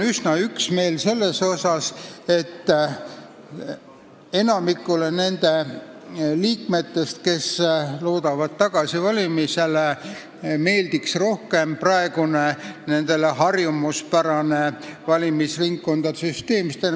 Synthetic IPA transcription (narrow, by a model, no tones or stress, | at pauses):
ysnɑyksme̞ːlse̞lːe̞so̞sɑse̞t̪ː | e̞nɑmikːˑule̞ne̞nd̪̥e̞ | liːkme̞t̪ːe̞st̪ke̞sloːd̪̥ɑvɑd̪̚t̪ːɑɡ̥ɑsivɑlʲimise̞le | me̞ːld̪̥iksro̞hke̞mprɑe̞ɡ̥unene̞nd̪̥e̞leɦɑrjumuspæɾɑnevɑlʲimisriŋkːo̞nd̪̥ɑsyst̪e̞ːmist̪e